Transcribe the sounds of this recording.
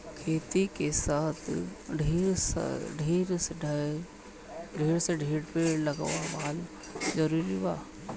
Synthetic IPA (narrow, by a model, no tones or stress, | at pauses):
kʰeːt̪ikesaːt̪ʰɖʱeːɾsɖʱeːɾsɖʱ | ɖʱeːɽseɖʱeːɽpeːɽlɐɡʋabal | d͡ʒɐɾuːɾiʋaː